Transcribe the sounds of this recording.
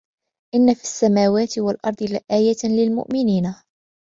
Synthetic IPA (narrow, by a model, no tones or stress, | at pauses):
ʔɪnːafisːamaːwaːt̪ɪwalʔɑɾˤd̪ˤɨlaʔaːjalɪlmʊ̰ʔmɪniːna